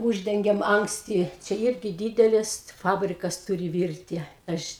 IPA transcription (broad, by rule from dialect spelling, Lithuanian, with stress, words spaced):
ˈuːʒʲdʲɛŋʲɡʲɛm ɐŋksʲˈtʲɪ ˈt͡ʃʲɛ ˈɪrʲɡʲɪ ˈdʲiːdʲɛlʲɪs ˈfɑːbʲrʲɪkɐs ˈtʊrʲɪ ˈʋʲɪrʲtʲɪ ˈɐʃ